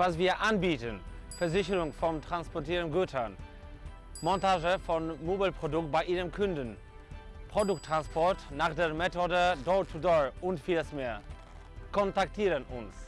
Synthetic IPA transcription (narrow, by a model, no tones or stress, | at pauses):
vasv̥iːɐʔanbiːtən | fɛɐzɪçəʁʊŋfɔmtʁ̥anspɔɐtiːɐʁənɡøtʰɐn | mɔntaːʒəfɔnmobəlpʁ̥odʊkt̚b̥aɪʔiːʁəmkʰʊndən | pʁ̥odʊk̚tːʁ̥anspʰɔɐtnaːχd̥eːɐmɛtʰoːdədɔt͡sudɔʔʊntfiːləsmeːɐ | kʰɔntaktʰiːʁənʔʊ̰ns